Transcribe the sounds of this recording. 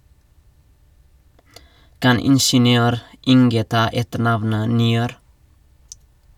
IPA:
ˈkɑn ˈɪnʃənɪˌøːɾ ˈɪŋɡə ˈtɑː ˈɛtəˌɳɑʋnə nɪˈøːɾ

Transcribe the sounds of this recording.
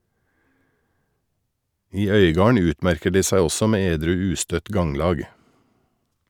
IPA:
ˈiː ˈœʏɡɑːɳ ˈʉːtˌmæɾkəɾ ˈdiː ˈsæɪ ˈɔsɔ ˈmeː ˈeːdɾʉː ˈʉːstœt ˈɡɑŋlɑːɡ

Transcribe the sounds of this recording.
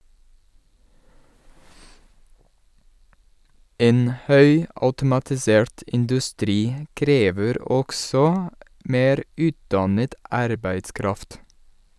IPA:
ˈeːn ˈhœʏɑʉtʊmɑtɪˌseːɹʈ ʔɪndʉˈstɾiː ə ˈkɾeːʋəɾ ˈɔksɔ ˈmeːɾ ˈʉːtdɑnət ˈʔɑɾbæɪtˌskɾɑft

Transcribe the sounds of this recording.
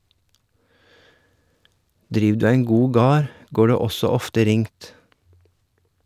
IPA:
ˈdɾiːʋ ˈdʉː ˈæɪŋ ˈɡuː ˈɡɑːɾ ˈɡoː ˈɖeː ˈɔsɔ ˈɔftə ˈɾɪŋt

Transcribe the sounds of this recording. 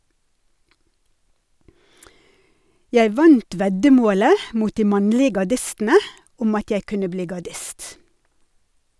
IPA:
ˈjæɪ ˈʋɑnt ˈʋɛɟəˌmoːlə ˈmuːt ˈdiː ˈmɑɲlɪ ɡɑˈɖɪstn̩ə ˈʊm ˈɑt ˈjæɪ ˈkʉnə ˈbliː ɡɑˈɖɪst

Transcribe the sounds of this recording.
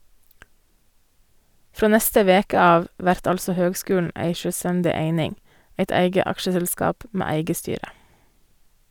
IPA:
ˈfɾoː ˈnɛstə ˈʋeːkə ˈɑːʋ ˈʋæɾt ˈɑlsɔ ˈhøːɡˌskʉːɳ̩ ˈʔæɪ ʃœˈstændɪ ˈeɪnɪŋ ˈeɪt ˈæɪɡə ˈɑkʃəsɛlˌskɑːp ˈmeː ˈæɪɡə ˈstyːɾə

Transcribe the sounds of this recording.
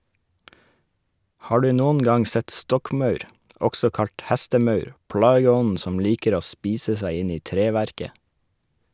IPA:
ˈhɑː ˈɖʉː ˈnʊn ˈɡɑŋ ˈsɛt ˈstɔkˌmɑʉɾ ˈɔɡsɔ ˈkɑʎt ˈhæstəˌmɑʉɾ ˈpɽɑːɡəˌɔnn̩ ˈsɔm ˈliːkəɾ ˈoː ˈspiːsə ˈsæɪ ˈɪn ˈiː ˈtɾeːˌʋæɾkə

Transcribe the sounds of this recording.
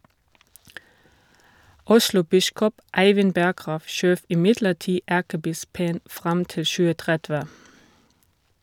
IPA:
ˈʊʃlʊˌbɪskɔp ˈæɪʋɪn ˈbæɡʁɑːʋ ˈʃøːʋ ɪˈmɪdləˌtiː ˈækəˌbɪspən ˈfʁɑm ˈtɪl ˈʃʉːə ˈtʁɛdʋɛ

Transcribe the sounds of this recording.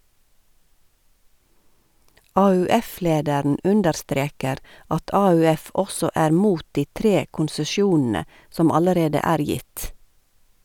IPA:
ɑːʉːˈɛˌfleːdæɾn̩ ˈʉndəɾˌstɾeːkəɾ ˈɑt ɑːʉːˈɛf ˈɔsɔ ˈæːɾ ˈmuːt ˈdiː ˈtɾeː kʊnsəˈʃjuːnn̩ə ˈsɔm ˈɑləɾeːdə ˈæːɾ ˈjɪt

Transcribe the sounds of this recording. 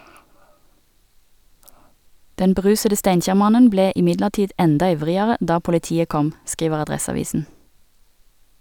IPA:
ˈdɛn bəˈʁʉːsədə ˈstæɪnˌçæːʁˌmɑnən ˈbleː ɪˈmɪdləʁˌtiːd ˈɛndɑ ˈɪʋʁɪəʁə ˈdɑː pʊlɪˈtiːə ˈkɔm ˈskiːʋəʁ ɑˈdʁɛsɑˌʋiːsn̩

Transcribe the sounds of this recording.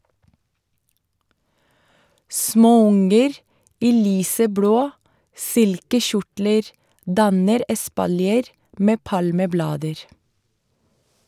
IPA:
ˈsmoːˌʊŋəɾ ˈiː ˈlyːsəˌbloː ˈsɪlkəˌçʊʈləɾ ˈdɑnəɾ ɛspɑlˈjeːɾ ˈmeː ˈpɑlməˌblɑːdəɾ

